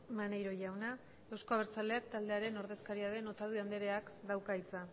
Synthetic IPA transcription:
manejɾo̞ʝawna | e̞wsko̞aβ̞eɾt͡sald̪e̞ak̚t̪ald̪e̞aɾe̞no̞ɾðe̞skaɾiað̞e̞no̞t̪að̞uiand̪eɾe̞akd̪awkait͡sa

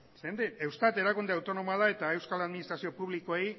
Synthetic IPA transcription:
send̪ee̞wst̪at̪e̞ɾakund̪eawt̪o̞no̞moaðae̞t̪ae̞wskalaðminist̪ɾasio̞puβlikoej

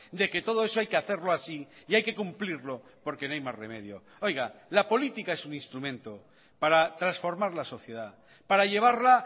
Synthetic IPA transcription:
d̪e̞ke̞t̪o̞ð̞oe̞soajkeaθe̞ɾloasiiajke̞kumpliɾlopo̞ɾkenoajmasrḛmeðjo̰ | o̞jɣalapo̞lit̪ikae̞suŋinst̪ɾumẽnt̪o | paɾat̪ɾasfo̞ɾmaɾlaso̞θje̞ð̞a | paɾaʎe̞β̞aɾla

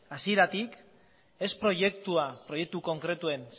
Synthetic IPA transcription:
asie̞ɾat̪ik | e̞spɾo̞je̞kt̪uapɾo̞je̞k̚t̪uko̞ŋkɾe̞t̪ue̞ns

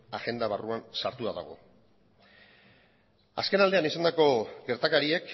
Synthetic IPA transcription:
aɣe̞nd̪aβaruansaɾt̪uaða̰ɣ̞o̞̰ | a̰ske̞nald̪e̞anisand̪ako̞ɡe̞ɾt̪akaɾie̞k

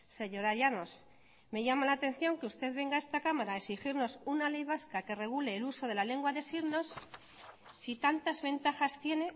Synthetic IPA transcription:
se̞ɲo̞ɾaʝano̞s | me̞ʝamalaːt̪ẽ̞n̟θjo̞ŋkeust̪e̞ðβe̞ŋɡae̞st̪akamaɾaːeksixiɾno̞sunale̞jβ̞askake̞re̞ɣ̞uleːluso̞ðe̞lale̞ŋɡwaðe̞siɾno̞s | sit̪ant̪azβe̞nt̪axast̪jene̞

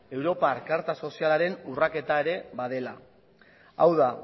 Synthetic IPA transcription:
e̞wɾo̞paɾkaɾt̪aso̞sialaɾe̞nurake̞t̪ae̞ɾe̞βað̞e̞la̰ | awða

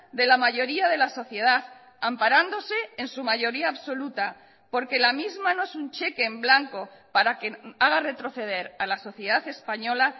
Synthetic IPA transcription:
d̪e̞lamaʝo̞ɾiað̞e̞laso̞θje̞ð̞aθ | ampaɾand̪o̞se̞ːnsumaʝo̞ɾiaːβso̞lut̪a | po̞ɾke̞lamizmano̞e̞sunt͡ʃe̞ke̞ːmblaŋko̞paɾake̞aɣare̞t̪ɾo̞θe̞ð̞e̞ɾalaso̞θje̞ðaθe̞spaɲo̞la

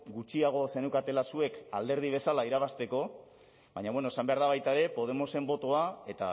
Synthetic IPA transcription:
ɡut͡ʃiaɣ̞o̞se̞newkat̪e̞lasue̞ka̰ld̪e̞ɾð̞iβ̞e̞salaiɾaβast̪e̞ko̞ | βaɲaβwe̞noesambe̞aɾð̞aβ̞ajt̪aeɾe̞po̞ð̞e̞mo̞se̞mbo̞t̪o̞ae̞t̪a̰

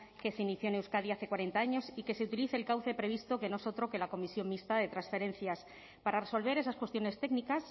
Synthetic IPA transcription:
ke̞seiniθjonewskaðiaθe̞kwaɾe̞nt̪aaɲo̞sike̞se̞ut̪iliθeːlkawθe̞pɾe̞β̞ist̪o̞ke̞noeso̞t̪ɾo̞ke̞lako̞misjo̞ŋmist̪aðe̞t̪ɾansfe̞ɾẽ̞n̟θjas | paɾare̞so̞lβ̞e̞ɾe̞saskwe̞st̪jo̞ne̞st̪e̞ɡnikas

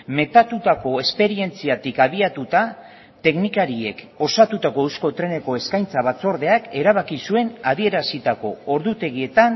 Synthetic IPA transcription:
me̞t̪at̪ut̪ako̞e̞spe̞ɾie̞nt͡siat̪ikaβiat̪ut̪a | t̪e̞knikaɾie̞k | o̞sat̪ut̪ako̞ewsko̞t̪ɾe̞ne̞ko̞e̞skajnt͡saβ̞at͡so̞ɾðe̞ake̞ɾaβ̞akisue̞naðie̞ɾasit̪ako̞ːɾðut̪e̞ɣie̞t̪an

